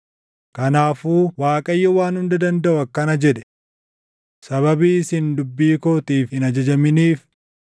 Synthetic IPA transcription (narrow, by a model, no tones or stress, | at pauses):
kɐnaːfuːwaːkʼɐjːɛwaːnhʊnd̪ɐd̪ɐnd̪ɐʔʊɐkːɐnɐd͡ʒɛᶑɛ̥ | sɐβɐbiːsɪnd̪ʊbːiːkoːt̪iːfɪnɐd͡ʒɐd͡ʒɐmɪniːf